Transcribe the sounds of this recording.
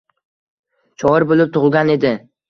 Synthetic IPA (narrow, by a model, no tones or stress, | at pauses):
t͡ʃʰɒɪɾbolɪp̚t̪ʰʊʁlˠɡʲane̞d̪ɪ